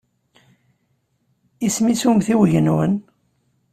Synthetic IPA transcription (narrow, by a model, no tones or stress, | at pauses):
ismisumθiwʝənwə̰n